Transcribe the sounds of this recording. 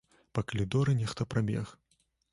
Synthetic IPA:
pɐkɐlʲid̪ɔɾɨnʲɛxt̪ɐpɾabʲɛ̰x

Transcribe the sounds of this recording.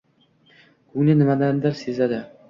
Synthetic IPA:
kʰɵŋnɪnɪmad̪and̪ɪɾsezad̪ɪ

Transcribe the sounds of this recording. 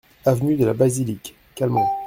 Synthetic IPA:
avnyd̪əlabazilikː | almɑ̃

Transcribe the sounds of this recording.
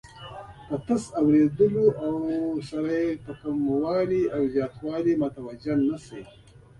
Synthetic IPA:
pat̪asawɾed̪əloʔawsaɾajt̪akamwɑːliawzjɑːt̪wɑːlimat̪awad͡ʒannːasḛj

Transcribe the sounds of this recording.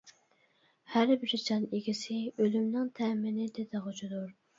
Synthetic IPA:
hæɾbɪɾd͡ʒɑneɡʲisɪølymnɪŋt̪ʰɛmɪnɪd̪ɪd̪ɨʁʊt͡ʃʰud̪uɾ

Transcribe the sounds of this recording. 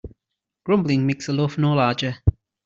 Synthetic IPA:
ɡ̥ɹʌ̃mblɪ̃ŋmeksəlɔfnɔːlaːd͡ʒə

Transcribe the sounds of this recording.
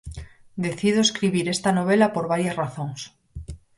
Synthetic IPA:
d̪eθið̞oeskɾiβiɾest̪anoβ̞elapoɾβajazraθoŋs

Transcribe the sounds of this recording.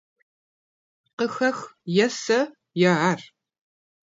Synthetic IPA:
qəxɐxjɛsɐ | jɛʕar

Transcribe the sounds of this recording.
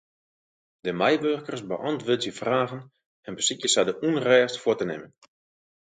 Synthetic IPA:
dəmajʋørkərsbəʔɑntʋøːtjəfraːɣən | ɛnbəsikjəsadəʔunrɛːstfʊətənɪ̰mən

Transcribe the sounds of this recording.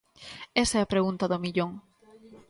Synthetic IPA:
esɐɛɐpɾeɣunt̪ɐðʊmiʎoŋ

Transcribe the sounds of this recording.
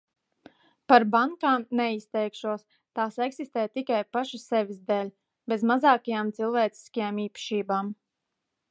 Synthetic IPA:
paɾbaŋkaːmnɛist̪ɛjkʃuɔs | t̪aːsɛksist̪eːjt̪ikajpaʃasɛvʲizd̪ɛːlʲ | bezmazaːkajaːmt̪silˠvɛːt̪si̥skajaːmiːpḁʃiːbaːm

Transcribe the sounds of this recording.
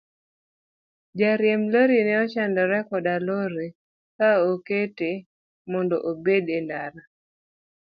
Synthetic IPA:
d͡ʒaɾjɛmloɾinɛɔt͡ʃandɔɾɛkɔdaloɾe | kaokete | mɔndɔ̰ʔobedɛndaɾa

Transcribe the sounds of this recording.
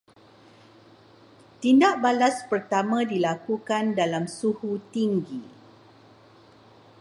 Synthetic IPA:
t̪indaʔbalaspərt̪amãdilakukandalamsuhut̪iŋɡi

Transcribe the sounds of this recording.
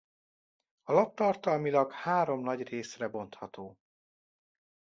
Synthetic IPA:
ɒlɒtt̪ːɒrt̪ɒlmilɒɡhaːɾo̞mnɒɟreːsrɛbo̞nt̪hɒt̪oː

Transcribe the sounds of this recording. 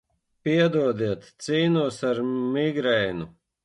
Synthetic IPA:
piɛd̪uɔd̪iɛt̪ːsiːnuɔsaɾmiɡɾɛjnu

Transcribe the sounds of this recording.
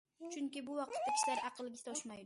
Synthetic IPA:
t͡ʃʰʊŋkʲɪbʊwɑq̪̚t̪ʰakʲɪ̥ʃlaɾɑqʰɨlˠɪɡʲɪst̪ʰɒʃmajd̪

